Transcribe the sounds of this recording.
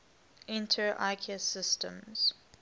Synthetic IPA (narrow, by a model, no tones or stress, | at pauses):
ʔɪ̃ntʰəɹʔa̰ɪkʰɛsɪstə̰̃mz̥